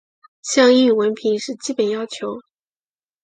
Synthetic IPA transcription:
ɕjɑ˥˧ŋ˥i˥˩wə˧˥npʰi˧˥ŋʂɻ̩˥˩t͡ɕi˥pə˨˩njɑ˥ʊt͡ɕʰjo˧˥ʊ

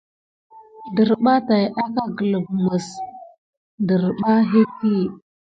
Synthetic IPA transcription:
də˨ɾɓa˦ta˨ja˦ka˦ɡə˨lə˨bmə˨s | də˨ɾɓa˦ɦe˦ti˦˨

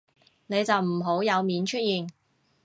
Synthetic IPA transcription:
ne˨˧jt͡sɐ˨wm̩˨˩ɦo˨˥wjɐ˨˧wmiː˨˧nt͡ʃʰɵ˥t̚jiː˨n

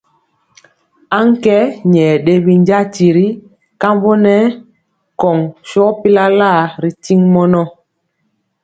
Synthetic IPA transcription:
a˦ŋ˦kɛ˦ɲɛ˨ɗe˦bi˦n˦d͡ʒa˦ti˨ɾi˦ | ka˦mbo˦nɛ˦ | kɔ˨ŋʃɔ˦pi˦la˦la˦˨ɾi˨ti˦ŋmɔ˦nɔ˦

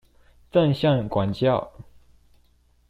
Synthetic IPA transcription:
t͡sə˥˧ŋɕjɑ˥˩ŋkwa˨˩nt͡ɕjɑ˥˩ʊ

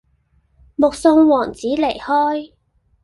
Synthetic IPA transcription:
mʊ˨k̚sʊ˧ŋwɔː˨˩ŋt͡siː˨˥le˨˩jhɔː˥j

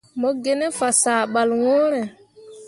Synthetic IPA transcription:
mɔ˦ɡe˦ne˦fa˨sa˨ɓa˨lwoː˦ɾe˨

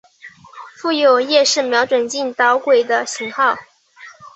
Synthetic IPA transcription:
fu˥˩jo˨˩ʊjɛ˥˧ʂɻ̩˥˩mjɑ˧˥ʊʈ͡ʂwə˨˩nt͡ɕi˥˩nt̪ɑ˧˥ʊkwe˨˩ɪd̪ə˦ɕi˧˥ŋxɑ˥˩ʊ

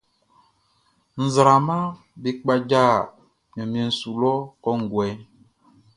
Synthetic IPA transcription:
n̩˨zɾa˨ma˦ | be˨k͡pa˦d͡ʒa˦˨ | m˨ɔ̃˨m˨ẽ˨n̩˨su˨lɔ˦kɔ˦ŋ̩˨ɡwɛ˨˦

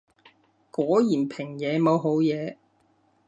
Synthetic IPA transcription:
kɔː˨˥jiː˨˩npʰɪ˨˩ŋjɛː˨˧mo˨˧wɦo˨˥wjɛː˨˧

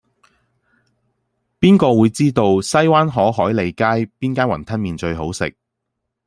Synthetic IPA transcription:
piː˥nkɔː˧wuː˨˧jt͡siː˥t̪o˧wsɐ˥jwaː˥nɦɔː˨˥ɦɔː˨˥jle˨˧jkaː˥jpiː˥nkaː˥nwɐ˨˩nt̪ʰɐ˥nmiː˨nt͡ʃɵ˧ɥɦo˨˥wsɪ̰˨k̚

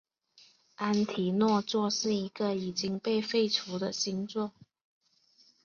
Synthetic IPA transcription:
a˥nt̪ʰi˨˥nwɔ˥˧t͡swɔ˥˧ʂɻ̩˥˩i˧˥ɡə˨i˨˩t͡ɕi˥ŋpe˥˧ɪfe˥˩ɪt͡sʰu˧˥d̪ə˧ɕi˧˥ŋt͡sɔ˥˩ŋ

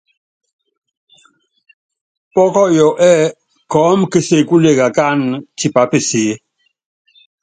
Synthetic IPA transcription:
pɔ˦kɔ˦ʔjɔ˨ʔʔɛ˦ | kɔː˨˦mkə˨se˦˨ku˦le˦˨ɣa˨ka˦nti˨pa˨˦pə˨seː˨˦

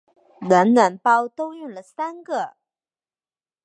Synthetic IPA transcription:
lə˧˥nna˧˥npɑ˥ʊt̪o˥ʊjʊ˥˩ŋlə˩sa˥nɡə˥˧

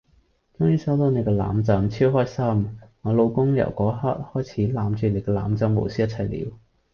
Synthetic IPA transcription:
t̪ʰʊ˥ŋjyː˨˧sɐ˨˥wt̪o˨˧wne˨˧kɛː˧la̰ː˨˥mt͡sɐ˨˥mt͡sʰiː˥wɦɔː˥jsɐ˥maː˨˧lo˧wkʊ˥ŋjɐ̰˨˩wkɔː˨˥ha˥t̚hɔː˥jt͡sʰiː˨˥laː˨˧˥mt͡ʃyː˨˧ne˨˧jkɛː˧la̰ː˨˥mt͡sɐ˧˥mːo̰˨˩wsiː˥jɐ˥t̚t͡sʰɐ˨˩jlḭː˨˧w

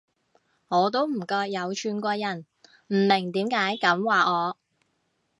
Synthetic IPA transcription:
ŋɔː˨˧t̪̬o˥wm̩˨˩kɔː˧k̚jɐ˨˧wt͡ʃʰyː˨˧nkʷɔː˧jɐ˨˩n | m̩˨˩mɪ˨˩ŋt̪iː˨˥mkaː˨˥jkɐ˨˥mwaː˨˩ɔː˨˧

